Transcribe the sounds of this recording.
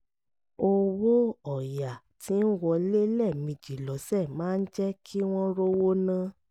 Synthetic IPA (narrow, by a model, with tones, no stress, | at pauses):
o˧wo˦ɔ˨ja˨ | tʰi˨˦n̩˦wɔ˧le˦lɛ˦˨mĩ˨˧˨d͡ʒi˨lɔ˨˦sɛ˦˨mãː˨˦n̩˦d͡ʒɛ˦kʰi˦w̃ɔ̃˦ɾo˦wo˦nã˦